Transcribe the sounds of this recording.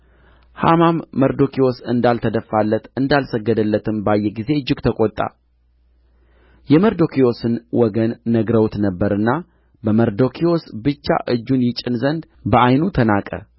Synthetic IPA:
ha̰mamːəɾd̪o̞kʰio̞sɨnd̪alt̪ʰəd̪əfːalːət̪ɨnd̪alsəɡːəd̪əlːət̪ʰɨmbajːɛɡize̞ɨd͡ʒːɨɡt̪ʰəkʼot̪ʼːa̰ | jɛməɾd̪o̞kʰio̞sɨnwɔɡənːəɡɾəwt̪nəbːəɾɨnːa | bəməɾd̪o̞kʰio̞sbɨt͡ʃːa̰ʔɨd͡ʒːunjɪt͡ʃʼɪnzənd̪ | bəʔajnut̪ʰənakʼə̰

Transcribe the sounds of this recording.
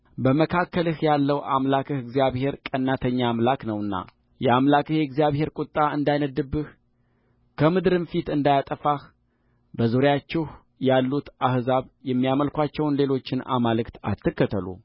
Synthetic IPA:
bəməkʰakːəlɨhjalːəwʔa̰mlakʰɨhɨɡzijaβhe̞ɾkʼənːat̪ʰəɲːamlaknəwɨnːa̰ | jɛamlakɨhjɛɛɡzijaβhe̞ɾkʷʼʊt̪ʼːaɨnd̪ajnəd̪ːɨbːɨh | kʰəmɨd̪ɾɨnfit̪ɨnd̪ajat̪ʼəfah | bəzuɾjat͡ʃːɛh | jalːut̪ʔahzaβjɛmːijaməlkʷat͡ʃːɛwnle̞lo̞t͡ʃːɪna̰malɨkt̪a̰t̪ʰːɨkːət̪ʰəlṵ

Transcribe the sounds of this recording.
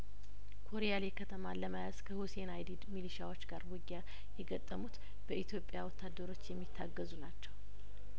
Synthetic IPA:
kʰo̞ɾijalekʰət̪ʰəmaləmajaz̥kʰəhusenajd̪id̪miliʃawo̞t͡ʃːɡaɾbuɡːa | jɛɡət̪ʼːəmut̪ | b̥əʔit̪jo̞pʼːjawɔt̪ʰːad̪ːəɾo̞t͡ʃːjɛmːit̪ʰːaɡːəzunat͡ʃːɛw

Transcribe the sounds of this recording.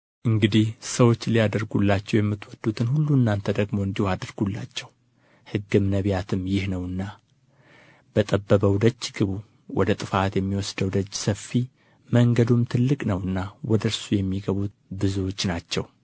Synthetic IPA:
ʔɨŋɡɨd̪ihsəwo̞t͡ʃːlijad̪əɾɡulːat͡ʃːɛwjɛmːɨt̪wɔd̪ːut̪ʰɨnhulːuɨnːant̪ʰəd̪əɡmo̞ɨnd̪ihohad̪əɾɡulːa̰t͡ʃːɛw | hɨɡːɨmnəβjat̪ʰɨmjɪhnəwɨnːa | b̥ət̪ʼəbːəβəwd̪ət͡ʃːɡ̥ɨβu | wɔd̪ət̪ʼɨfat̪jɛmːiwɔsd̪əwd̪ət͡ʃːsəfːi | məŋɡəd̪umt̪ʰɨlːɨkʼnəwɨnːawɔd̪əɾsujɛmːiɡəβut̪ | bɨzuwo̞t͡ʃːnat͡ʃːɛw

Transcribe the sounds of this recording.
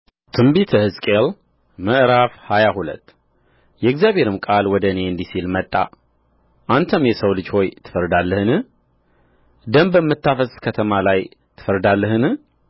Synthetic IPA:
t̪ʰɨmbit̪ʰəhɨzkʼel | məʔɾafhajahulə̰t̪ː | jɛɪɡzjaβhe̞ɾɨmkʼalwɔd̪əne̞ɨnd̪isilmət̪ʼːa̰ | ʔant̪ʰəmjɛsəwlɨd͡ʒho̞jt̪ʰɨ̥fəɾd̪alːəhɨnɨh | d̪əmbəmːɨt̪ʰːafəskʰət̪ʰəmalaj | t̪ʰɨ̥fəɾd̪alːəɦɨnɨ

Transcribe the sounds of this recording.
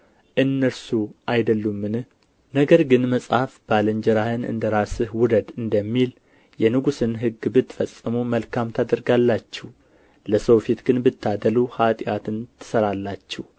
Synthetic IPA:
ʔɨnːəɾsuʔajd̪əlːumːɨnɨh | nəɡəɾɡɨnməsʼafb̥aləɲd͡ʒɛɾahɨnʔɨ̰nd̪əɾasɨhwʊd̪əd̪ɨnd̪əmːil | jɛnɨɡusɨnɦɨɡːbɨt̪ːfəsʼːɨmuməlkʰamt̪ʰad̪əɾɡalːat͡ʃːɛh | ləsəwfit̪ɡɨnbɨt̪ːad̪əluhat̪ʼɪjat̪ʰɨnt̪ʰɨ̥səɾalːat͡ʃːɛw

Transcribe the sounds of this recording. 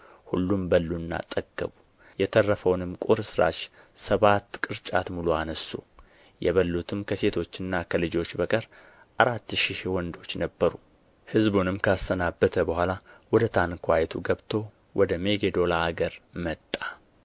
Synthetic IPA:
hulːumbəlːunːa̰t̪ʼəɡːəβu | jɛt̪ʰərːəfəwnɨmkʼuɾsɨɾa̰ʃ | səβat̪ːkʼɨɾt͡ʃʼa̰t̪muluanəsːu | jɛ̰βəlːut̪ʰɨmkʰəse̞t̪ʰo̞t͡ʃːɨnːakʰəlɨd͡ʒo̞t͡ʃːbəkʼəɾ | ʔaɾat̪ːʃihwɔnd̪o̞t͡ʃːnəbːəɾu | hɨzbunɨmkʰəast̪ənabːət̪ʰəbəhʷalawɔd̪ət̪ʰankʰʷajɛt̪ʰuɡəβt̪ʰo̞ | wʔɔd̪əmeɡed̪o̞laːɡəɾmət̪ʼːḁ

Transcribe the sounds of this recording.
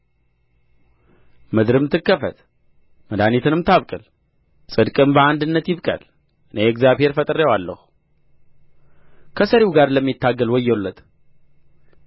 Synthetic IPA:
mɨd̪ɾɨmt̪ʰːɨkːəfə̰t̪ | məd̪anit̪ʰɨnɨmt̪ʰaβkʼɨl | sʼɨd̪kʼɨmbəand̪ɨnːət̪jɪβkʼə̰l | ʔɨneɛkzjaβhe̞ɾfət̪ʼɨɾewalːə̰hu | kʰəsəɾiwɡaɾləmːit̪ʰːaɡːəlwɔjːɛlːət̪

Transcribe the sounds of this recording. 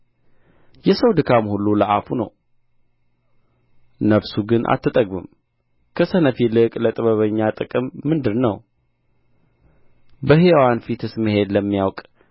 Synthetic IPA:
jɛsəwd̪ɨkʰamhulːuləʔafunə̰w | nəβsuɡɨnʔa̰t̪ʰːɨt̪ʼəɡmɨ̰m | kʰəsənəfilɨkʼlət̪ʼɨβəβəɲːat̪ʼɨkʼɨmːɨnd̪ɨɾnə̰w | bəɦewanfit̪ɨsmɨɦe̞d̪ləmːijawkʼ

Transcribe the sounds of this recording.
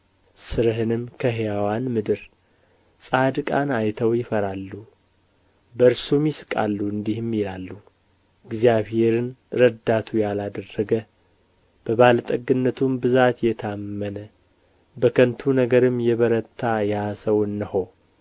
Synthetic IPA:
sɨɾɦɨnɨmkʰəɦejawanmɨd̪ɨɾ | sʼad̪ɨkʼanajt̪ʰəwjɪfəɾalːu | bəɾsumjɪsɨ̥kʼa̰lːuɨnd̪ihmːilalːu | ɨɡzijaβhe̞ɾɨnɾəd̪at̪ʰujalad̪ərːəɡə | b̥əβalt̪ʼəɡɨnːət̪ʰumbɨzat̪jɛt̪ʰamːənə | bəkʰənt̪ʰunəɡəɾɨmːjɛβəɾət̪ʰːajasəwɨnːɨho

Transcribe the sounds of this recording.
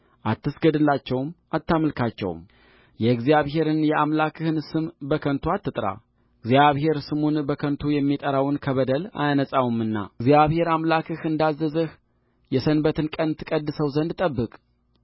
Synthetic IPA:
ʔat̪ʰːɨsɡəd̪ɨlːat͡ʃːɛwmat̪ːaməlkʰat͡ʃːɛ̰w̰m | jɛɡzijaβɦe̞ɾɨnjɛʔamlakʰɨhɨnsɨmbəkʰənt̪ʰuat̪ːɨt̪ʼɾa̰ | ɨɡzjaβɦe̞ɾsɨmonbəkʰənt̪ʰujɛmːit̪ʼəɾawnkʰəβəd̪əla̰janəsʼawumɨnːa̰ɡzijaβhe̞ɾamlakʰɨhɨnd̪azːəzəh | jɛsənbət̪ʰɨnkʼənt̪ʰːɨkʼəd̪ːɨsəwzənd̪t̪ʼəbːɨkʼ

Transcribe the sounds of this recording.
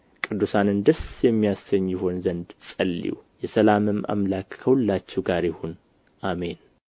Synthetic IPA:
kʼɨd̪ːusanɨnd̪əsjɛmːijasːəɲːiho̞nzənd̪sʼəlːḭwjɛsəlamɨmʔa̰mlakkʰəhulːat͡ʃːɛɡaɾjɪhon | ʔame̞n

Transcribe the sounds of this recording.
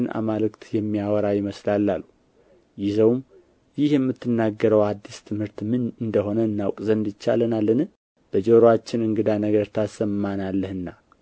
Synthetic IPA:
na̰malɨkt̪jɛmːijawɔɾajɪməslalːalːu | jɪzəwm | jɪhjɛmːɨt̪ʰːɨnːaɡːəɾəwad̪ːist̪ʰɨmhɨɾt̪mɨnɨnd̪əho̞nəɨnːawkʼzənd̪ɨt͡ʃːa̰lənalːənɨ | b̥əd͡ʒoɾoat͡ʃːɪnɨŋɡɨd̪anəɡəɾt̪ʰasəmːanalːəhɨnːa

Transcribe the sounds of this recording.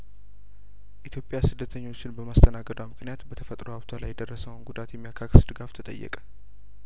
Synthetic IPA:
ʔit̪ʰjo̞pʼːɪjasɨd̪ːət̪ʰəɲːo̞t͡ʃːɪnbəmast̪ʰənaɡəd̪əwmɨknijat̪bət̪ʰəfət̪ʼɾoaβt̪ʰalajːɛd̪ərːəsəwnɡud̪at̪jɛmːijakʰaksd̪ɨɡaft̪ʰət̪ʼə̰jːɛ̰kʼə̥

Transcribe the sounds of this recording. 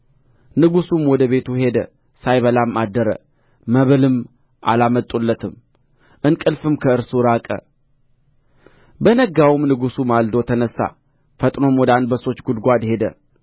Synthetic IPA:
nɨɡusumwɔd̪əβe̞t̪ʰuhe̞d̪ə | sajβəlamʔad̪ːəɾə̰ | məβɨlɨm | ʔa̰lamət̪ʼulːət̪ʰɨm | ʔɨnkʼɨlfɨmkʰəɨɾsuɾakʼə̰ | bənəɡawmnɨɡusumald̪ot̪ʰənəsːa̰ | fət̪ʼno̞mwɔd̪and̪bəso̞t͡ʃːɡud̪ɡʷad̪he̞d̪ə̰

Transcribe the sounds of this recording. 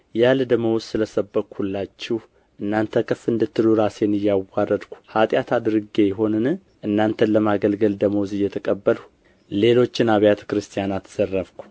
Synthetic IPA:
jald̪əməwssɨləsəbːəkʷhulːat͡ʃːɛh | ʔɨnːant̪ʰəkʰʼɨfɨnd̪ɨt̪ʰːɨluɾasenɨjːawːarəd̪kʰʷu̥hat̪ʼjat̪ʰad̪ɨɾɨɡe̞jɛɦo̞nɨnɨ | ʔɨnːant̪ʰənləmaɡəlɡəld̪əməwzɨjɛt̪ʰəkʼəbːəlu | le̞lo̞t͡ʃːɪnaβjat̪ʰə̥kɾɨst̪ʰʼijanat̪ʰːz̥ərːəβkʰʷu̥

